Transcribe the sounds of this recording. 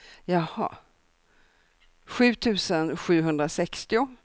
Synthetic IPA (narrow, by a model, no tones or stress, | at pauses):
jɑhɑ̰ː | ɧʉ̟ːt̪ʰʉ̟ːsənɧʉ̟ːɦɵnd̪ɾasɛkst̪ɪʊ